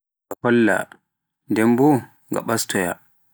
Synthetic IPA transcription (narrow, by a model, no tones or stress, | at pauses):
ŋɡahɔlːa̰ | ndɛmbɔ | ŋɡa̰ɓastʰɔja̰